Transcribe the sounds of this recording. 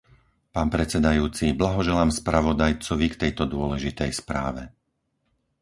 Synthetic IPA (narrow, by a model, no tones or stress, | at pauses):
paːnpɾɛt͡sɛd̪ajuːt͡siblaɦɔʒɛlaːmspɾaʋɔd̪ajt͡sɔʋikt̪ɛjt̪ɔd̪ʊɔlɛʒit̪ɛjspɾa̰ːʋɛ